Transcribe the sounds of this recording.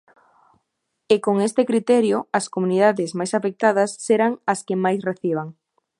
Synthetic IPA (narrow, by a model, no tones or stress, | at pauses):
ekoŋest̪ɪkɾit̪ɛɾjʊɐskomuniðaðɪzmajsafek̚t̪aðɐsːeɾaŋɐskɪmajsreθiβ̞aŋ